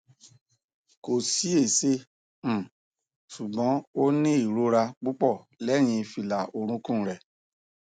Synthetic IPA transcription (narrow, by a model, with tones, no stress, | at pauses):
ko˨si˨˦e˦˨se˦ | m̩˦˨ | su˨ɡ͡bɔ̃˨˦o˦nĩ˦i˦˨ɾo˦ɾa˧k͡pu˦k͡pɔ˦˨ | lɛ˦˨j̃ĩ˧fi˧˨la˨o˧ɾ̃ũ˨˦kũ˦˨ɾɛ˨